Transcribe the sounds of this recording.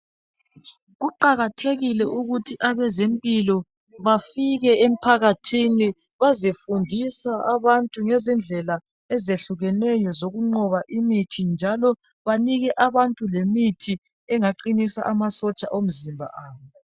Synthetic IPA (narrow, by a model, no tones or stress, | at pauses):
ɣuǃaɣatʰeɣilɛʔuɣutʰiʔaβɛzempʼilɔ | βafiɣɛem̩pʰaɣatʰini | βazefundʱisaaβantʼuŋɛzind͡ɮʱɛla | ɛzeɬuɣɛnɛjɔzoɣuŋ͡ǃɔβaʔimitʰind͡ʒʱalɔ | βaniɣɛʔaβantʼulemitʰi | ɛŋaǃinisa̰ʔamasɔt͡ʃʼaʔom̩zimbʱa̰ʔaːβɔ